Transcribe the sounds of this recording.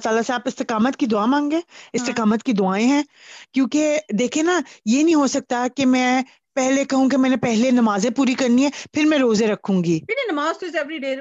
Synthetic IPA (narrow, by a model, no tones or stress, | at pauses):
t̪aːlaseaːpɪst̪ɪkaːmət̪kid̪ʊaːmãːŋɡeːɪst̪ɪkaːmət̪kid̪ʊaːẽɦɛ̃ː | kjõːked̪eːkʰienajeːnɐɦĩɦosɐk̚t̪akemɛ̃ː | pɛɦlekɐɦũk̬emɛ̃ːnẽpɛɦlenɐmaːzẽpuːɾikɐɾniɦɛ̃ːpʰɪɾmɛ̃ɾoːzẽɾɐkʰːũːŋɡiːɪninɐmaːzt̪oɪzɛʋɾiɖeː